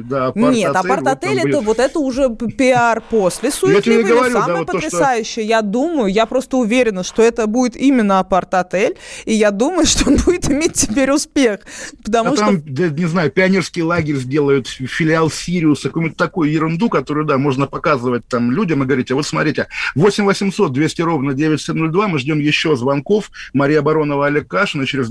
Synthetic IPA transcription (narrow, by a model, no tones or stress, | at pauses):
d̪aɐɐnʲet̪ɐpɐrtt̪ɐt̪ɛlʲɛt̪əvo̞t̪ɛt̪əʊʐɛpʲɪarpo̞sʲlʲɪsujat̪ʲɪbʲeɡəvɐɾʲuamaot̪pətːoɾʲɪsajʉɕːɪjəjad̪uməjʊjapɾo̞st̪əʊvʲeɾʲɪnəʂt̪o̞ɛt̪əbudʲɪt̪imʲɪnːəɐpɐrt̪ɐt̪ɛlʲijad̪uməjʊʂt̪oonbudʲɪt̪ɪmʲet̚ʲtːɪ̥pʲeɾʲʊspʲe̞xpə̥t̪ɐmuʂt̪amd̪ənʲɪznajʊpʲɪɐnʲerskʲɪjlˠaɡʲɪɾʲzʲdʲe̞lˠəjʊt̪fʲɪlʲɪalˠsʲiɾʲɪʊsɐkojmʲt̪ʲt̪ɐkojʊjɪɾɨnd̪ukɐt̪o̞ɾʊjʊd̪amo̞ʐnəpɐkazɨvət̚ʲt̪amlʲudʲəmɨɡəvɐɾʲitʲɪvo̞t̪smɐt̪ɾʲitʲɪvo̞sʲɪmʲvəsʲɪmso̞t̪̚d̪vʲesʲtʲɪɾo̞vnədʲevʲɪtʲsʲemnolʲd̪vamɨʐdʲomjɪɕːo̞zvɐnko̞fmɐɾʲijəɐbɐɾo̞nəvəɐlʲekːaʂɨnət͡ɕɪɾʲɪz